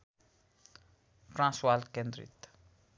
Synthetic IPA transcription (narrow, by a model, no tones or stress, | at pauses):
frãswalkɛnd̪ɾḭt̪